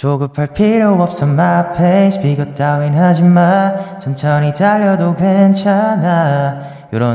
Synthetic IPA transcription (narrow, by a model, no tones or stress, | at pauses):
t͡ɕoɡɯpʰaɭpʰiɾjowʌp̚s͈ʌmːapʰeɕpiɡʌt̚t͈awinɦad͡ʑimːant͡ɕʰʌnt͡ɕʰʌnitʰaʎjʌdokwent͡ɕʰana | joɾʌ